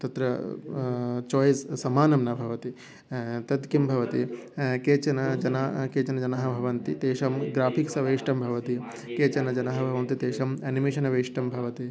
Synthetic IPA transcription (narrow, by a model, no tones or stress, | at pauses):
t̪ɐt̪ɾɐ | t͡ʃɔːjssɐmaːnɐmnɐbʱɐʋɐt̪i | t̪ɐt̪kimbʱɐʋɐt̪ikeːt͡ʃɐnɐd͡ʒɐnakeːt͡ʃɐnɐd͡ʒɐnɐɦɐ̆bʱɐʋɐnt̪it̪eːʃɐmɡɾaːpʰiksɐʋɐjʂʈɐmbʱɐʋɐt̪i | keːt͡ʃɐnɐd͡ʒɐnɐɦɐbʱɐʋɐnt̪it̪eːʃɐmeːnimeːʃɐnɐʋɐiʂʈɐmbʱɐʋɐt̪i